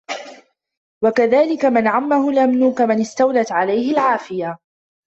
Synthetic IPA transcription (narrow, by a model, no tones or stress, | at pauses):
wakaðaːlɪkamanʕamːahʊlʔamnuːkamanɪst̪awlat̪ʕalajhɪlʕaːfɪja